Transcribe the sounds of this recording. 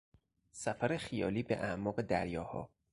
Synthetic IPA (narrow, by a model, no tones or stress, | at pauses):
sæfæɾexijɒːliːbḛʔæʔmɒːɣe̞d̪æɾjɒːhɒ̰ː